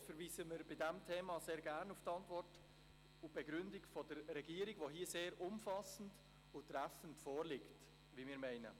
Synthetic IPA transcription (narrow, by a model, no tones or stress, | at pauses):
fəɾʋiːsəməɾbɪdɛmtʰeːmɑseːɾɡæɾnuftɑntʋɔrt | ʊb̥ɛɡɾʏndɪkfɔdəɾːɛɡiːɾiɡʋoɦiːəseːɾʊmfɑsən̩d | ʊtːɾæfən̩tfɔːrlɪkt | ʋimɪːɾmɛɪnə̰